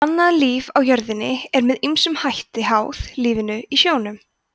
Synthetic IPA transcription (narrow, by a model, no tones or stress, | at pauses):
anːaðliːvawjœɾðɪnːɪ̰ɛɾmɛðimsʏmhajht̪ɪɦaːwθliːvɪnʏisjoːwnʏm